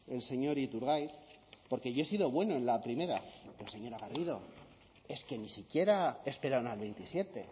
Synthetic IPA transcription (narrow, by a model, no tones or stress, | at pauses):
e̞lse̞ɲo̞ɾit̪uɾɣajpo̞ɾke̞ʝo̞e̞siðo̞βwe̞no̞e̞nlapɾime̞ɾakese̞ɲo̞ɾaɣaɾiðo̞̰ | e̞ske̞nisikje̞ɾae̞spe̞ɾaunalβe̞jnt̪isje̞t̪e̞̰